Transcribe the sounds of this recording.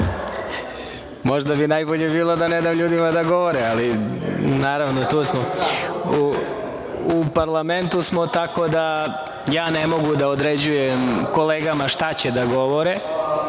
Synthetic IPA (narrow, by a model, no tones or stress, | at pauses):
mo̞ʒd̪abinajboʎebiːlˠo̞d̪aned̪amʎuːd̪imad̪aɡo̞ʋoɾɛalinaːɾaʋnot̪uːsmo | u | upaɾlˠame̞nt̪usmot̪ako̞d̪a | jaːne̞mo̞ɡud̪aod̪ɾed͡ʑujemko̞leːɡamaʃt̪at͡ɕed̪aɡo̞ʋoɾe